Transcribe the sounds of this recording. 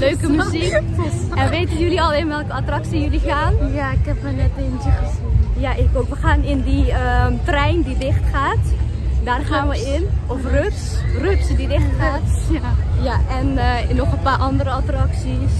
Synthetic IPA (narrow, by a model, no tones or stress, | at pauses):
løːkəmzikɛnʋeːtənjyliɔlˠɪnʋɛlˠkəatrɑksijølixaːnjaɪkɛpmanɛtɪntəjaʔɪkoʋəxaːnɪndiətrɛjndidɪxtχaːtdaːrχaːnʋəɪnɔfrøtsrøtsdidɪxtxaːt | jaɛnnɔχəpaːʔɑndəɾəatrɑksis